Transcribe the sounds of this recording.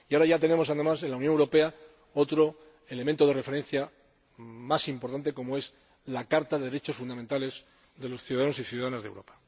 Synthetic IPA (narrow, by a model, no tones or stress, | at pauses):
iaoɾaʝat̪e̞ne̞mo̞saðe̞mase̞nlauwnjoŋewɾo̞pe̞a | o̞t̪ɾo̞ | e̞lemẽnt̪o̞ð̞e̞refe̞ɾe̞n̟θja | masimpo̞ɾt̪ant̪̬e̞ko̞moe̞s | lakaɾt̪aðeɾet͡ʃo̞sfund̪ament̪ale̞s | ðe̞lo̞sθjuðaðano̞siθjuðaðanazðḛwɾo̞pḁ